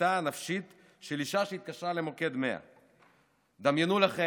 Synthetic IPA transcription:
anafʃit̪ | ʃeliʃaʃeit̪̚kaʃʁale̞mo̞ke̞d̪me̞a̰ | d̪amjenulaχe

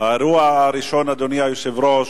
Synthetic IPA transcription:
aɾuaːɾiʃɔnad̪ɔniausɛvɾɔs

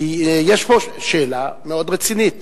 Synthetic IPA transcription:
ijeʃpoʃelameod̪ʁet͡sinit̪

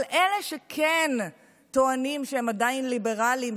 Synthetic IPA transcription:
lʔeleʃekʰen | t̪oanimʃehemad̪ainlibe̞ʁalim

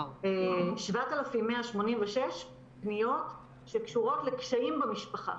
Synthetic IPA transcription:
eʃvatalafimːeaʃmo̞nimveʃeʃ | pnijo̞t | ʃekʃuʁo̞tlekʃaimbamiʃpaχa̰

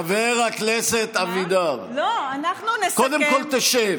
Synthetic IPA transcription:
aveʁakneset̪avid̪avloanaχnunkod̪emkolt̪eʃev

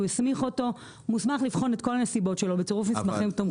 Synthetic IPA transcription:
uismiχo̞to̞ | musmaχlifχo̞net̪̚ko̞lminesibotʃelo̞bet͡soʁufmismaχimt̪om

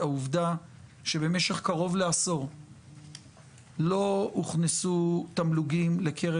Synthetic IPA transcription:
auvd̪aʃe̞be̞me̞ʃeχkaʁo̞vleaso̞ʁ | lo̞uχnesut̪amluɡimle̞kʰe̞ʁe

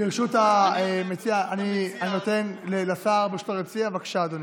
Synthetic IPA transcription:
beʁʃut̪amet͡siaanianinot̪e̞nlelasaːʁbiʃu̥t̪aʁet͡siavakʃaːd̪oni

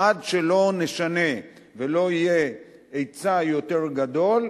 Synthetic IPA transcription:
adʃe̞lo̞ne̞ʃane̞ | velo̞ije | ejt͡sajo̞t̪e̞ʁɡad̪o̞l

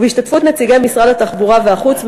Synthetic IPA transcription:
veiʃtatfut̪ne̞t͡siɡejmisʁadat̪aχbuʁaveaχut͡sm

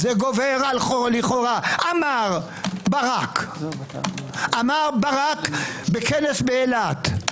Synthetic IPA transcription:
zeɡoveʁalχoliχoʁaʔamaʁ | baʁak | ʔamaʁbaʁakbekenesbeelat̪

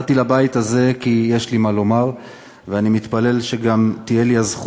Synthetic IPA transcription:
t̪ilabait̪aze̞kijeʃlimalo̞maʁ | veanimit̪pale̞lʃe̞ɡamt̪ije̞liazχ

